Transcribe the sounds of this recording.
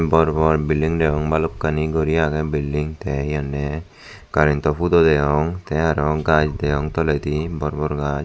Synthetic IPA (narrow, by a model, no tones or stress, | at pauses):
bɔɾbɔɾbiliŋdɛjɔŋbalɔp̚kːaniɡɔɾiaɡɛbilːiŋt̪ɛɦijanːɛ | kaɾint̪ɔpud̪ɔd̪ɛjɔŋt̪ɛaɾɔɡad͡ʒd̪ɛjɔŋt̪ɔlɛt̪ibɔɾbɔɾɡad͡ʒ